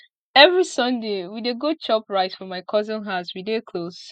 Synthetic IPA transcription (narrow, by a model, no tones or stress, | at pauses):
ɛvɹisʌ̃ndewideɡot͡ʃɔpɹaɪtfɔmaɪkʰɔzə̃nɦaʊswidekʰlos